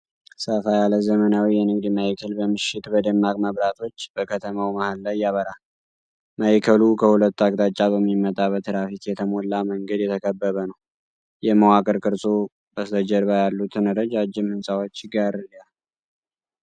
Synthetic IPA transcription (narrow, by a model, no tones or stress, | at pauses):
səfajaləzəmənawijɛnɨɡd̪imajkʰəlbəmɨʃɪt̪bəd̪ɨmːakʼməβɾat̪ʰo̞t͡ʃːbəkʰət̪ʰəmawmahalːajːaβəɾa | majkʰəlukʰəhulət̪ːaɡʼt̪ʼat͡ʃʼːaβəmːimːət̪ʼaβət̪ɨɾafit̪jɛt̪ʰəmolːaməŋɡəd̪jɛt̪ʰəkʰəbːəβənəw | jɛməwakʼəɾkʼɨɾsʼo | bəsəd͡ʒəɾβajalːut̪ʰɨnɨɾəd͡ʒad͡ʒːɪmhɨnsʼawot͡ʃːɡaɾɨlːjal